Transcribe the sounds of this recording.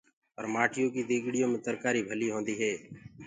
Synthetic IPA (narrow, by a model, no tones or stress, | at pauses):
əɾmaːʈʰɪjõːk̬iːd̪eːɡɽɪjõːmẽːt̪əɾkaːɾiːbʱəliːɦõːnd̪iːɦɛː